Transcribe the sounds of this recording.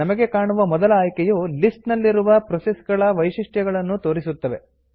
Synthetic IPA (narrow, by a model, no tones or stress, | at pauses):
ɐmɐɡe̞kaːɳuʋɐmɔd̪ɐlɐːjkɛjulisʈnɐlːiɾuʋɐpɾɔsesɡɐɭɐʋɐjʂiʂʈjɐɡɐɭɐnːut̪o̞ːɾisut̪ːɐʋe̞